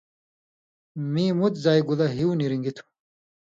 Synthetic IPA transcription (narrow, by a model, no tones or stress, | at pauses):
miːmut̪zaːjɡulɐɦiuniɾiŋɡit̪ʰu̥